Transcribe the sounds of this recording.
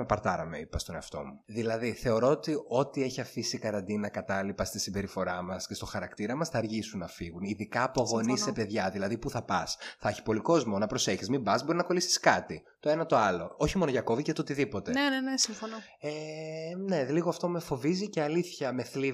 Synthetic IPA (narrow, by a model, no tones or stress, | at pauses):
mepɐɾt̪ɐɾɐmḛipɐst̪o̞ne̞ɐft̪o̞̰muðilɐðiθe̞o̞ɾo̞ot̪io̞t̪ie̞çiɐfisikɐɾɐnd̪inɐkɐt̪ɐlipɐst̪isimbe̞ɾifo̞ɾɐmɐscest̪o̞xɐɾɐkt̪iɾɐmɐsθɐːɾʝisunːɐfiɣuniðikɐːpoɣonisepe̞ðʝɐðilɐðipuθɐpɐsθɐçi̥po̞liko̞zmonɐpɾo̞se̞çizmibɐzbo̞ɾiznɐko̞lisi̥skɐt̪it̪o̞e̞nɐt̪oɐlo̞oçimo̞noʝɐko̞vicet̪ot̪iðipo̞t̪eenenesiɱfono | ene̞liɣoɐft̪o̞mefo̞viziceɐliθçɐme̞θli